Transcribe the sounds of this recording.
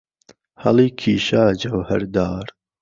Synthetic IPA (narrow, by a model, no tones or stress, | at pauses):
hɐ̰liːkʰiːʃaːd͡ʒɐwhɐɾd̪aːɾ